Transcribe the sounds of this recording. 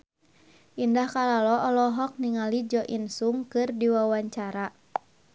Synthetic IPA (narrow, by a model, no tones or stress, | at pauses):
ʔindahkalalɔʔɔlɔɦɔk̚niŋalid͡ʒɔʔinsuŋkɨrdiwawaɲt͡ʃaɾa